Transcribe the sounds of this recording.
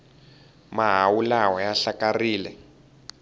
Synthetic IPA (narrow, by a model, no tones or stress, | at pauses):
maɦawulawɔjaɬakariːlɛ